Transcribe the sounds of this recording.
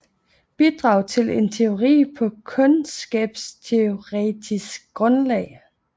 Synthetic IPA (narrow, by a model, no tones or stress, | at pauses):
b̥id̥ʁɑ̈ʊ̰t͡sʰe̝le̝nt͡sʰe̝o̝ʁḭːpʰɒ̽kʰɔ̽nsɡ̥ɛːb̥st͡sʰe̝o̝ʁɛ̰ːd̥ʰisɡ̥̚ɡ̥ʁɔ̽nlɛ̰ɪ